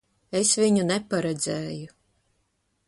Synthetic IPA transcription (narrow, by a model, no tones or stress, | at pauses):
esvʲiɲunɛpaɾɛd̪zɛːju